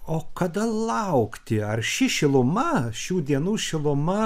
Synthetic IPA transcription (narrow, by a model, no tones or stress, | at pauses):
oːkɐd̪ɐlˠɐʊkt̪ʲɪɐrʃʲɪʃʲɪlˠʊmɐʃʲuːd̪ʲiɛnuːʃʲɪlˠʊmɐ